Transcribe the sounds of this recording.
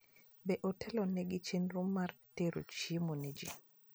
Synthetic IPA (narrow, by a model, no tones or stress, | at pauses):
bɛʔɔtʰɛlɔnɛɡit͡ʃenɾumːarteɾo̰t͡ʃimoned͡ʒi